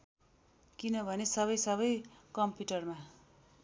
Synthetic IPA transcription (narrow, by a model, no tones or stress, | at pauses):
kinʌbʱʌnesʌβʌjsʌβʌjkʌmpjuʈʌrma